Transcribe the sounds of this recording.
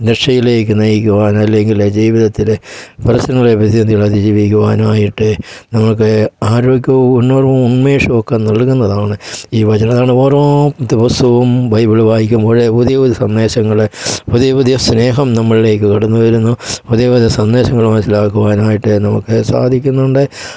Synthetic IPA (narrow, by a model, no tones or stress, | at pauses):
d̪ɾekʂɐjile̞ːk̬ːɨnɐjikʲːuʋaːnɐlːeŋɡiled͡ʑiːʋiðɐt̪ːileprɐsɐnɐŋːɐɭepɐt̪iɐniɭɐd̪id͡ʑiːʋikʲːuʋaːnaːjiʈːɨnɐmːɐɭkːɨaːɾo̞ːɡʲjɐʋuunːoːruunmeːʂɐokːenɐɭkːunːɐðaːɳɨiːʋɐt͡ɕɐnɐmɐðaːɳɨoːrot̪ɐbɐst̪uʋumbʱɐjbiɭʋaːjikʲːumoːɻepuðijɐpuðɐsɐnːe̞ːɕɐŋːɐɭepuðijɐpuðijɐsne̞ːɦɐmnɐmːɐɭile̞ːkːɨkiɽɐnːuʋɐɾunːupuðijɐpuðijɐsɐnːeːɕɐŋːɐɭmɐnsilaːkːuʋaːnaːjiʈːɨnɐmukːɨsa̰ːd̪ʱikʲːunːuɳɖɨ